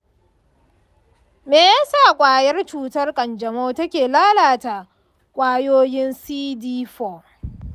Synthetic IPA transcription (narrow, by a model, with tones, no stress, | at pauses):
meː˨jaː˦saː˦˨kʷʼaː˨jɐ˦rt͡ʃuː˦tɐ˦rkʼɐ˨nd͡ʒɐ˨moː˦tɐ˦kʲeː˨laː˦laː˨ta˨ | kʷʼaː˦joː˦jɪ˦nsiː˦diː˦ɸo˨